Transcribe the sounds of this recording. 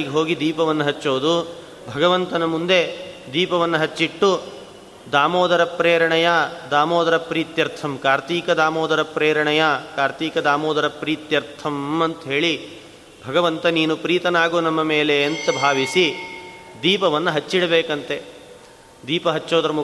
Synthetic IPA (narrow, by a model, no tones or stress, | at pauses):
iɡeɦo̞ːɡid̪iːpɐʋɐnːɐɦɐt͡ʃːoːd̪u | bʱɐɡɐʋɐnt̪ɐnɐmund̪e̞d̪iːpɐʋɐnːɐɦɐt͡ʃːiʈːu | d̪aːmɔːd̪ɐɾɐpɾeːɾɐɳɐjad̪aːmɔːd̪ɐɾɐpɾiːt̪jɐɾt̪ʰɐmkaːɾt̪iːkɐd̪aːmɔːd̪ɐɾɐpɾeːɾɐɳɐjakaːɾt̪iːkɐd̪aːmɔːd̪ɐɾɐpɾiːt̪jɐɾt̪ʰɐmɐnt̪ɐɦe̞ːɭi | bʱɐɡɐʋɐnt̪ɐniːnupɾiːt̪ɐnaːɡuːnɐmːɐmeːleːnt̪ɐbʱaːʋisi | d̪iːpɐʋɐnːɐɦɐt͡ʃːiɽɐbeːkɐnt̪e | d̪iːpɐɦɐt͡ʃːoːd̪ɐɾɐmu